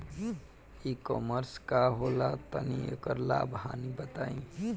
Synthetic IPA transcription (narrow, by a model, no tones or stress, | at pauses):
ikɔməɾskaɦolat̪əniḛkəɾla̰ːbɦanibət̪aːĩ